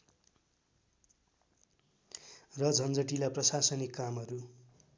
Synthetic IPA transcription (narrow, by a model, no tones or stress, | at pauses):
rʌd͡zʱʌnd͡zʌʈilaprʌsasʌnikːamʌɾu